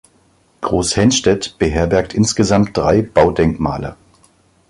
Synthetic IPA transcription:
ɡ̥ʁoːshɛnʃtɛtb̥əɦeːɐbɛɐk̚tʔɪnsɡ̥əzamt̚d̥ʁaɪb̥aʊdɛŋkma̰ːlə̰

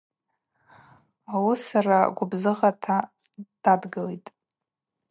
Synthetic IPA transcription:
awusaraɡʷʊbzɨʁatʰa | d̥adɡɨlejtʼ

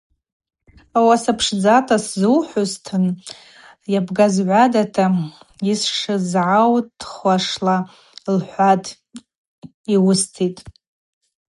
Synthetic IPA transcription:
awasapʰʂd͡zatʰaszɨwħʷʊztʰɨn | jabɡazʕʷadatʰaisʂɨzʕawtʰχʷaʂla | lħʷatʼ | iwʊstʰitʼ

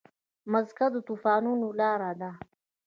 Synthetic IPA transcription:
mazkad̪ət̪uːfɑːnunolɑːɾad̪a

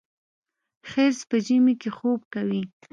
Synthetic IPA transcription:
xeɾspəʒəmekexob̚kawi

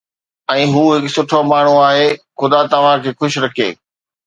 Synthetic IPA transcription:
ɛ̃ːɦuːɦɪksʊʈʰomaːɳ̤uaːɦeːxʊd̪at̪ɐʋ̤ãkʰeːxʊʃɪɾɐkʰḛː

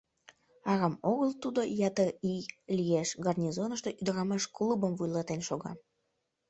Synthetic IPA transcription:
ɑɣɑmoɣəlt̪ud̪ojɑt̪ərilʲijeʃɡɑrnʲizonə̆ʃt̪eʔyd̪əɾɑmɑʃklˠubəmvujlˠɑt̪enʃoɣɑ̰

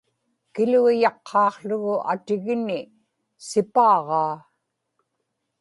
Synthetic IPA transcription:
kɪlujɑqʰːɑːqɬʊɣʊʔa̰t̪ɪɣnɪ | sɪpɑːʁɑː

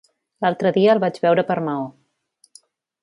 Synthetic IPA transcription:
lalˠt̪ɾəðiəːlˠβad͡ʒβɛwɾəpəɾmao

